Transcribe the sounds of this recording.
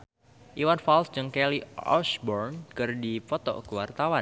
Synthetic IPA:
ʔiwanfalsd͡ʒɨŋkɛliɔ̰sbɔrnkɨrdifɔt̪ɔ̰kəwart̪awa

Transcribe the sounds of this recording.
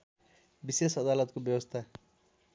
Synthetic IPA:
bisesʌd̪alʌt̪̚kobjʌwʌst̪ʰa

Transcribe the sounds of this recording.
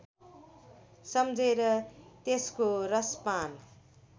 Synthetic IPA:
sʌmd͡zeɾʌt̪eskorʌspan

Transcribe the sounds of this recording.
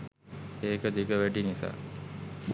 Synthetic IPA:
eːkəd̪iɡəʋæʈinisa̰ː

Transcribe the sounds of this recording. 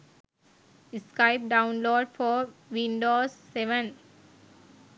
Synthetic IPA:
ɪskaɪp̚ɖãʊ̃nloːɖfɔːʋĩnɖoːsːeʋə̃n

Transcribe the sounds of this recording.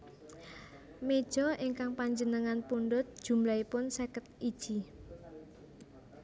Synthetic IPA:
med̥ʒ̥ɔʔiŋkaŋpaɲd͡ʒənəŋanpuɳɖʊt̪̚d̥ʒ̥ṳmlaipʊnsekət̪̚id̥ʒ̥i

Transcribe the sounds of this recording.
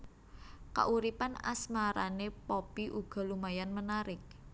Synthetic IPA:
ka̰ʔuɾipana̰smaɾanepopiʔuɡ̥a̤lumajanmənaɾɪk̚

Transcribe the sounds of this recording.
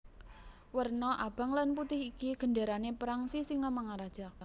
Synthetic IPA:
wərnɔʔab̥a̤ŋlanput̪ɪhikiɡ̥ə̤ndaɾanepɾaŋsisɪŋamaŋaɾad̥ʒ̥a̤

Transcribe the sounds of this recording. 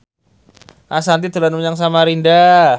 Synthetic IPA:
ʔasant̪it̪ulanmuɲaŋs̬amaɾinda

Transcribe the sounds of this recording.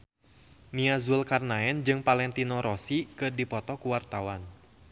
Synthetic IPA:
niazulkarnaɛnd͡ʒɨŋpalɛnt̪inɔɾʔɔsikɨrdipɔt̪ɔkuwart̪awan

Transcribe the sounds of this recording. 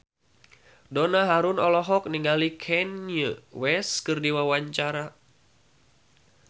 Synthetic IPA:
donaɦaɾunɔlɔɦɔk̚niŋɡalikʰɛnjəwɛskɨrdiwawaɲt͡ʃaɾa

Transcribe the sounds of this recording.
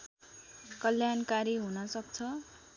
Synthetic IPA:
kʌljankaɾiɦunʌsʌk̚t͡sʰʌ

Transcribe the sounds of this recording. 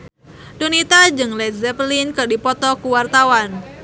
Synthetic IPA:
donit̪ad͡ʒɨŋlɛzɛpəlinkɨrdipɔt̪ɔkuwart̪awan

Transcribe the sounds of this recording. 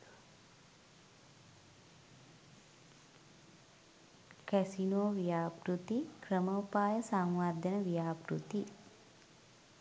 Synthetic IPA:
kæsinoːʋijaːpɾut̪ikrəməupaːjəsaŋʋad̪ʱənəʋijaːpɾṵt̪i

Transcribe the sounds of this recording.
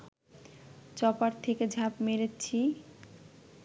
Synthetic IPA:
t͡ɕɔpaɾt̪ʰeked͡ʑʱapmeɾet͡ɕʰi

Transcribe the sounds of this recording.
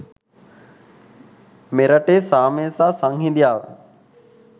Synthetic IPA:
meɾəʈeːsaːmeːsaːsaŋɦid̪ijaːʋ

